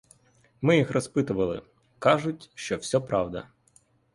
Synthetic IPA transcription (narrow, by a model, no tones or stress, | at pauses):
mɪjixrɔspɪt̪ʊʋɐlˠɪ̰ | kɑʒʊtʲʃt͡ʃɔwsʲɔpɾɑwd̪ɐ̰